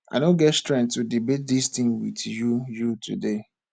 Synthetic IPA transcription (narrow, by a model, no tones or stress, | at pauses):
a̰ɪɾõnɡɛtstɹɛ̃ŋktːudibet̚distĩŋwḭdjujutʰṵde